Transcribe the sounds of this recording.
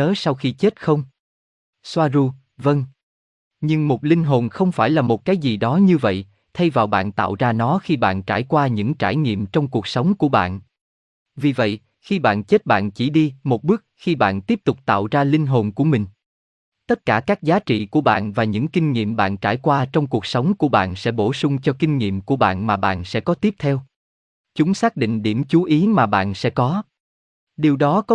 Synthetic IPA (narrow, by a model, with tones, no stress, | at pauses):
əː˨˦sa˧wxi˧t͡ɕe˦˥t̚xə˧wŋ͡m | swaː˧zu˧ | və˧ŋ | ɲɨ˧ŋmo˨˩t̚lï˧ŋ̟ɦo˨˩nxə˧wŋ͡mfaː˧˩jlaː˨˩mo˨˩t̚kaː˨˦jzi˨˩ɗɔ˨˦ɲɨ˧və̰˧˨j | t̪ʰə˧jvaː˨˩wɓa̰ː˧˨nt̪a̰ː˧˨wzaː˧nɔ˨˦xi˧ɓa̰ː˧˨nt͡ɕaː˧˩jkwaː˧ɲɨ̰˧˥ŋt͡ɕaː˧˩jŋḭ˧˨əmt͡ɕɔ˧wŋ͡mku˨˩ək̚sə˨˦wŋ͡mku˧˩əɓa̰ː˧˨n | vi˨˩və̰˧˨j | xi˧ɓa̰ː˧˨nt͡ɕe˦˥t̚ɓa̰ː˧˨nt͡ɕi˧˩ɗi˧mo˨˩t̚ɓɨ˦˥ək̚xi˧ɓa̰ː˧˨nt̪i˦˥əp̚t̪ʊ˨˩k͡p̚t̪a̰ː˧˨wzaː˧li˧ŋ̟ɦo˨˩nku˧˩əmï˨˩ŋ̟ | t̪ə˦˥t̚kaː˧˩kaː˦˥k̚zaː˨˦t͡ɕḭ˧˨ku˧˩əɓa̰ː˧˨nvaː˨˩ɲɨ̰˧˥ŋkï˧ŋ̟ŋḭ˧˨əmɓa̰ː˧˨nt͡ɕa̰ː˧˩jkwaː˧t͡ɕɔ˧wŋ͡mku˨˩ək̚sə˨˦wŋ͡mku˧˩əɓa̰ː˧˨nsɛ̰˧˥ɓo˧˩sʊ˧ŋ͡mt͡ɕɔ˧ki˧ŋ̟ŋḭ˧˨əmku˧˩əɓa̰ː˧˨nmaː˨˩ɓa̰ː˧˨nsɛ̰˧˥kɔ˨˦t̪i˦˥p̚t̪ʰɛ˧w | t͡ɕʊ˨˦ŋ͡msaː˦˥k̚ɗḭ̈˧˨ŋ̟ɗi˧˩əmt͡ɕu˨˦ʔi˨˦maː˨˩ɓa̰ː˧˨nsɛ̰˧˥kɔ˨˦ | ɗi˨˩əwɗɔ˨˦kɔ˨˦